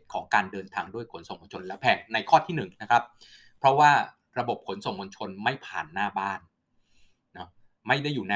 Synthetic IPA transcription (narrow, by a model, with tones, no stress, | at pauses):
kʰɔː˩˦ŋkaː˧ndɤː˧nt̪ʰaː˧ŋdu˥˩əjkʰo˩˦nso˨˩ŋmo˧nt͡ɕʰo˧nlɛ˦˥wpʰɛː˨˩k̚na˧jkʰɔː˥˩t̪ʰiː˥˩nɯ˨˩ŋna˦˥kʰɾa˦˥p̚ʰ | ɾɔ˦˥waː˥˩ | ɾa˧bo˨˩p̚kʰo˩˦nso˨˩ŋmo˧nt͡ɕʰo˧nma˥˩jpʰaː˨˩nːaː˥˩baː˥˩nː | ɔ˦ | ma˥˩jda˥˩jːuː˨˩na˧